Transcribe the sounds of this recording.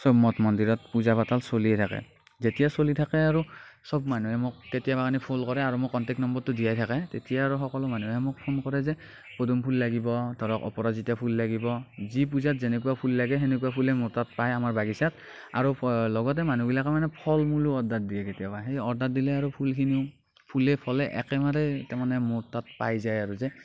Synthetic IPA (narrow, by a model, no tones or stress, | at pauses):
sɔbmɔtmɔndiɹɔt̚puzapatalsoliɛtʰakɛ̰ | zetijasolitʰakɛaɹusɔbmanuɦɛmʊk̚ːetijabakʰanipʰolkɔɹɛaɹumʊkːɔntɛk̚nɔmbɔɹtʊdijajtʰakɛtetijaaɹɔxɔkɔlɔmanuɦɛmʊk̚pʰonkɔɹɛzɛ | podumpʰulːaɡibɔdʱɔɹɔkɔ̰pɔɹazitapʰulːaɡibɔzip̬uzatzɛnɛkuwapʰulːaɡɛɦenɛkuapʰulɛmotat̚pajamaɹbaɡisat | a̰ɹulɔɡɔt̬ɛmanubilakamanɛpʰɔlmuluɔdat̚diɛketijabaɦejɔɹdat̚dilɛaɹupʰulkʰiniʊ | pʰulɛpʰɔlɛʔɛ̰kɛmaɾɛtɛmanɛmotat̚pajzajaɹuzɛ